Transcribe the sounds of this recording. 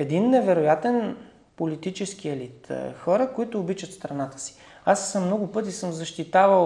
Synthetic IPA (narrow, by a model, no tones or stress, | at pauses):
ɛd̪inːɛvɛɾʊjat̪ɛn | pʊlit̪it͡ʃɛskiɛlit̪xɔɾəkoit̪ʊːbit͡ʃət̪st̪ɾɐnat̪ə̥si̥ | asːəmnɔɡʊpɤt̪̬isɤmzɐʃt̪it̪avə